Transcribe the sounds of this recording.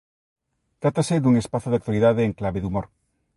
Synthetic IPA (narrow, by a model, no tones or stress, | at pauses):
t̪ɾat̪ased̪uŋespaθoðak̚t̪waliðaðeːŋklaβeðumoɾ